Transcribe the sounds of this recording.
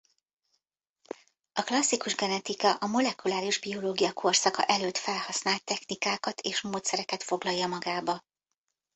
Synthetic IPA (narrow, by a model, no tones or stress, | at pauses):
ɒklɒsːikuʒɡɛnɛt̪ikɒʔɒmo̞lɛkulaːɾiʒbio̞loːɡijɒkʰo̞rsɒkɒ̰ʔɛløːt̪fɛlhɒsnaːlt̪ːɛxnikaːkɒt̪ʰeːʃmoːt̪sɛɾɛkɛt̪fo̞ɡlɒjːɒmɒɡaːbɒ